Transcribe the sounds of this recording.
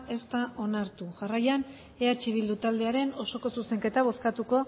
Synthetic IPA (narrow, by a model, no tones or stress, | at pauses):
ʔe̞st̪aʔo̞naɾt̪uʝarajan | eat͡ʃiβild̪ut̪ald̪e̞aɾe̞no̞so̞ko̞suse̞ŋke̞t̪aβ̞o̞skat̪uko̞